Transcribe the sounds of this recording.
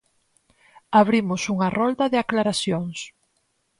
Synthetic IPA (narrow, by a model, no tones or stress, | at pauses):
aβɾimʊsuŋɐrɔld̪ɐðeaklaɾaθjoŋs